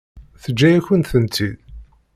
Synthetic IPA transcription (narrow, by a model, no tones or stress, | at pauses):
θəd͡ʒːæjæçənt̪θənt̪ið